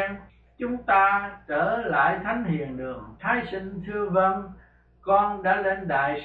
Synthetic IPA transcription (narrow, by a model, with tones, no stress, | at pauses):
ŋ | t͡ɕʊ˨˦ŋ͡mt̪aː˧t͡ɕəː˧˩la̰ː˧˨jt̪ʰa˨˦jŋ̟hḭ˧˨ənɗɨ̰˧˩əŋt̪ʰaː˨˦jsï˧ŋ̟t̪ʰɨ˧əvə˧n | kɔ˧nɗa̰ː˧˥le˧nɗa̰ː˧˨j